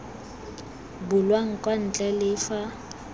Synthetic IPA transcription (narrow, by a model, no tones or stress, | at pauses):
bʊlwaŋ̩kʼwan̩t͡ɬʼɛlɪfa